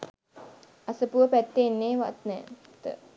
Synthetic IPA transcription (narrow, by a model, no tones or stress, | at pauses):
asəpuəpɛt̪enːeʋa̰ʔt̪̚nɛ | t̪ə̰